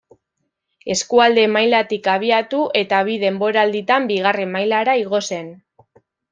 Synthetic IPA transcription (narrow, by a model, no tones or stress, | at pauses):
e̞skuald̪e̞majlat̪ikaβ̞iat̪uʔe̞t̪aβ̞iðe̞mbo̞ɾald̪it̪ambiɣ̞are̞majlaɾaiɣo̞se̞n